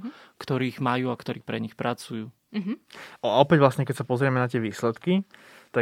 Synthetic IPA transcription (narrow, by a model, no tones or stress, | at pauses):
kt̪ɔɾiːɣmajuːakt̪ɔɾiːpɾɛɲixpɾʔat͡sujuː | ɔaɔpɛɟʋlasɲɛkɛcsapɔzɾɪɛmɛnat̪ɪɛʋiːslɛt̪kit̪a